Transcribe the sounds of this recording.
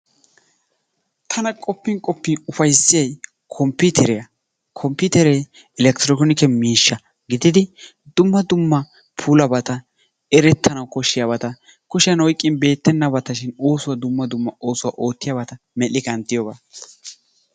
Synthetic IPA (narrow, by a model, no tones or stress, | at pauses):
t̪ʰɐnɐkʼɔpːɪŋkʼɔpːɪʊfɐjsːɪjɐj | kʰɔmpːɪt̪ʰɛɾɛjɐ | kʰɔmpːɪt̪ɛɾɛ | ɪlɛkt̪ɪɾɔkɔnɪkɛmiːʃːɐ | ɡɪd̪ɪd̪ɪ | d̪ʊmːɐd̪ʊmːɐ | pʰulɐbɐt̪ɐ | ɛɾɛt̪ːɐnɐwkɔʃɪjɐbɐt̪ɐ | kɔʃɪjɐnɔjkʼːɪnbe̞ːt̪ːɛnːɐbɐt̪ɐʃɪno̞ːsʊwɐd̪ʊmːɐd̪ʊmːɐo̞ːsʊwa̰ʔo̞ːt̪ːɪjabɐt̪ɐ | mɛlːɪkɐnt̪ːɪjoɡa̰ː